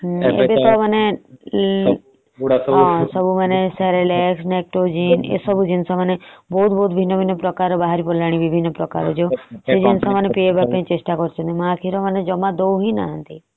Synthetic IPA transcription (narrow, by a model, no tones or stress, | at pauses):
ḛpet̪ɔməne | ɦɔ̃sɔbʱumanesɛɾeleksnek̚ʈod͡ʒinḛsɔbʱud͡ʒɪnsãmənebɔut̪bɔut̪bʱinːəbʱinːəpɾɔkaːɾobaɦaɾipɔlaɽ̃iʋibʱinːəpɾɔka̰ːɾod͡ʒosed͡ʒɪnsãmənepeebəɾpẽĩt͡ʃeʃʈakɔɾt͡ʃʰə̃nt̪imãakʰiɾoməned͡ʒɔmad̪ouɦina̰ɦə̃nt̪i